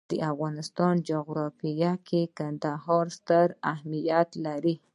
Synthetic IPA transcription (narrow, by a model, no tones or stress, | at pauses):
d̪̥əʔafɣɑnɪst̪ɑnd͡ʒoɣɾɑfijakʰekand̪ahɑɾst̪əɾahmijat̪laɾi